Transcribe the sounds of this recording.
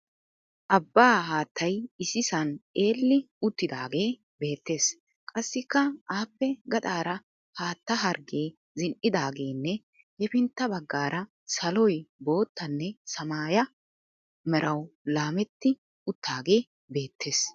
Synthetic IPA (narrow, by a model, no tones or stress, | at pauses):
ʔɐbːaːɦaːt̪ːɐjɪsɪsɐnʔe̞ːlːɪ | ʊt̪ːɪd̪aːɡe̞ː | be̞ːt̪ːe̞ːs | kʼɐsːɪkːɐʔaːpːɛɡɐt̪ʼaːɾɐ | haːt̪ːɐɦɐɾɡe̞ː | zɪnʔɪd̪aːɡe̞ːnːɛ | hɛfɪnt̪ːɐbɐɡːaːɾʔɐ | sɐlɔjbo̞ːt̪ːɐnːɛsɐmaːjɐ | mɛɾʔɐwlaːmɛt̪ːɪ | ʊt̪ʰːaːɡe̞ː | be̞ːt̪ːe̞ːs